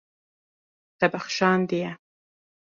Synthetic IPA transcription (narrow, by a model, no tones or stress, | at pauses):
t̪abaxʃɑnd̪ija